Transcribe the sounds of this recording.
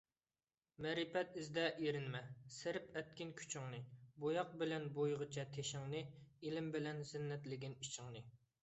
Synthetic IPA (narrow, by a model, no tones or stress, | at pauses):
mɛɾipɛt̪ɪzd̪ɛʔiɾɪnmɛsɪɾɪpɛt̪̚kʲɪnkʲʰy̥t͡ʃʰɪŋnɨbojɑq̚bɪlɛnbojʁət͡ʃʰɛt̪ʰeʃɪŋnɨilɪmbɪlɛnzɪnːɛt̪lɪɡʲinit͡ʃʰɪŋnɨ